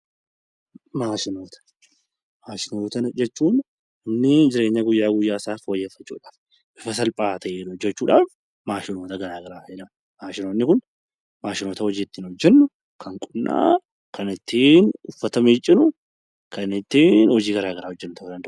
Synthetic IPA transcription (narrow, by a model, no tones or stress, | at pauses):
maːʃɪno̞ːt̪ɐ̥ | maːʃɪnoːt̪ɐnd͡ʒɛt͡ʃːuːn | ɪmnɪd͡ʒɪɾe̞ːɲːɐɡʊjːaːɡʊjːaːɪsaːfoːjːɛfːɐt͡ʃːṵːᶑaːf | ʔɪfɐs̬ɐlpʼaːt̪ʰɐʔeːnʊd͡ʒːɛt͡ʃːuːᶑaːf | maːʃɪno̞ːt̪ɐɡɐɾaːɡɐɾaːfeːᶑɐ | maːʃɪnoːnːɪkʊn | maːʃɪno̞ːt̪ɐhɔd͡ʒiːɪt̪ːiːnhɔd͡ʒːɛnːʊ | kʰɐŋkʼʊnːʔa̰ː | kʰɐnɪt̪ːiːnʊfːɐt̪ɐmiːt͡ʃʼːɪnʊ | kɐnɪt̪ːiːnhɔd͡ʒiːɡɐɾaːɡɐɾaːhɔd͡ʒːɛnːʊt̪ɐhɐd̪ɐnd̪ɐʔʊ